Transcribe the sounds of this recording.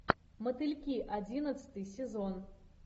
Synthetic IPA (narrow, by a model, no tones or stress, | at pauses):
mɐt̪ɨlʲkʲiʔad͡zʲinɐt̪sɨ̥t̪ɨjsʲɛzɔn